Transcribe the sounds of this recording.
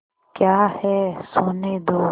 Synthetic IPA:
kjaːhɛsoːned̪oː

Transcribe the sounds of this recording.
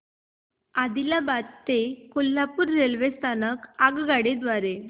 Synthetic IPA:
ad̪ilabad̪t̪ekolːapuːɾːelʋest̪ʰanəkaɡɡaɽed̪ʋaɾe

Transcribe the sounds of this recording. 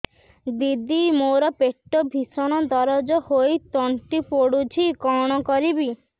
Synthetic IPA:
d̪id̪imoɾɔpeʈːɔbʱisɔɽ̃ɔd̪ɔɾɔd͡ʒɔhojt̪ɔɳʈipoɽut͡ʃʰikɔɽ̃ɔkɔɾibi

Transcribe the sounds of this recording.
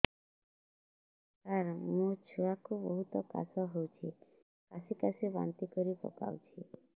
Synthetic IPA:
kaɾmut͡ʃʰuakubɔɦut̪ɔka̰sɔɦowt͡ʃʰi | kasikasiba̰nt̪ikɔɾipɔ̰ka̰wt͡ʃʰi

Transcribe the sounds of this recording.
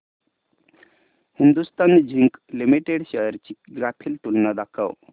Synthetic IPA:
hind̪ust̪and͡ʑʱiŋklimiʈeɽɕəjəɾt͡ɕiɡɾat̪ʰiːlt̪unːad̪akʰa̰ʋ

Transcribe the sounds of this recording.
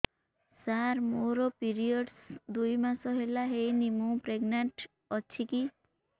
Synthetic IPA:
saɾmoɾɔpiɾiɔɖsd̪ujmasɔɦelaɦejnimũpɾeɡnaɳʈ | ɔt͡ʃʰiki

